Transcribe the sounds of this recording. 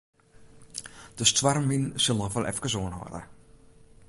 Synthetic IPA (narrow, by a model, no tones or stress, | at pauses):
d̥əstwarminsɪlˠnɔʋɔlʔɛ̰fkəsoənɦɔ̰də̰